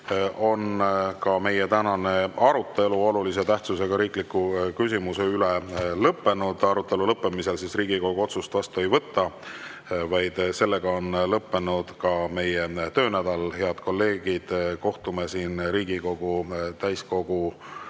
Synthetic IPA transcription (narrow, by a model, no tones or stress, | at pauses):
o̞nkɑme̞jet̪ænɑne̞ɑɾut̪ːe̞luo̞lulise̞t̪æht̪suse̞ɡ̥ɑɾiːklikːukys̬ʲimuse̞ylelɤpːe̞nud̪̥ɑɾut̪ːˑe̞lulɤpːe̞mise̞lsisriːɡ̥iko̞ɡ̥uo̞t̪sust̪vɑst̪uejvɤt̪ːɑ | vɑjd̪̥se̞lːe̞ɡ̥ɑo̞nlɤpːe̞nud̪̥kɑme̞jet̪ø̞ːnæd̪̥ɑlhe̞ɑd̪̥ko̞lːe̞ːɡ̥id̪̥ko̞ht̪ume̞siːnɾiːɡ̥iko̞ɡ̥ut̪æjsko̞ɡ̥u